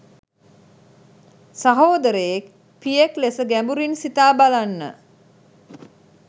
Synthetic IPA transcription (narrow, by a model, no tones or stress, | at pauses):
saɦoːd̪əɾəjek | pijeklesəɡæmbuɾinsit̪aːbalanːə̰